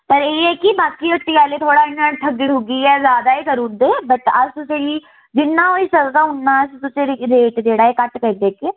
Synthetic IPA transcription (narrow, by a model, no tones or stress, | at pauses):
pəɾeːɦɛkibaːkiɐʈ̪ːiaːlet̪ʰoːɽaːɪnːaʈʰɐɡɪɽʱoɡiɛːzjaːd̪aːikəɾuːd̪eːbətəd͡ʒt̪ʊsei | d͡ʒɪnːaːɦoːisɐlk̪aʊnːaːst̪ʊseɾɾeːʈd͡ʒeːɽaːekɐʈkəd̪eːke